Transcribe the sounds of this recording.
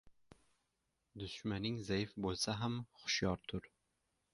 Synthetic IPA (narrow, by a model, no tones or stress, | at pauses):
d̪ʊʃmanɪŋzajɪfbolˠsaɦamχʊ̥ʃjɒɾt̪ʰʊɾ